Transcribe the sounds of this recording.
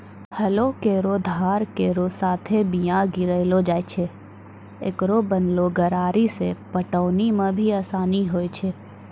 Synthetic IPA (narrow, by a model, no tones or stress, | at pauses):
həlokeːɾod̪ʱaːɾkeːɾosaːt̪ʰebijãɡɪɾəɪlod͡ʒaːt͡ʃʰe | ḛkɾobənloɡəɾaːɾisepəʈəːnimãbʱiaːsaːniɦoːjt͡ʃʰe